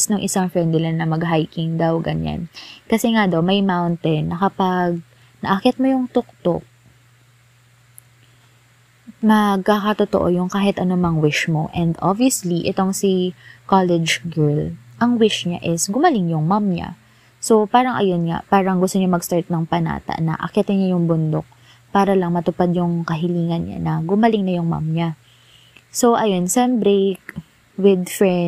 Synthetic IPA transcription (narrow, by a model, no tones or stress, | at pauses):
snʊŋʔɪsaŋfɛnd̪ɪlɐnːɐmɐɡɦajkɪŋd̪awɡɐ̰ɲa̰nkɐsɛŋad̪awmɐjmawnt̪ɛnːɐkɐpɐɡ̚ | nɐʔɐkɛt̪̚mojʊŋt̪ʊk̚t̪o̰k̚ | mɐɡ̚kakɐt̪ot̪oʔo̰jʊŋkaːɦɪt̪ʔɐnomɐŋwɪʃmo̞̰ʔɛnd̪oviɐsliʔɛt̪oŋsikalɛd͡ʒɡɛɹlʔɐŋwɪʃɲa̰ʔɪsɡʊmɐlɪŋjʊŋmamɲa̰ | so̞paːɾɐŋʔɐ̰jonŋa̰paːɾɐŋɡʊst̪oɲamɐɡst̪aɹt̪̚nɐŋpɐna̰ːt̪ɐ̰ʔnɐ̰ʔɐ̰kɛt̪ɛɲajʊŋbʊnd̪o̰k̚ | paːɾɐlɐŋmɐt̪ʊpad̪̚jʊŋkɐɦɪliːŋɐnɲa̰nɐɡʊmɐlɪŋnɐjʊŋma̰mɲa | so̞ʔɐjo̞nsɐnbɾek | wɪd̪fɹɛ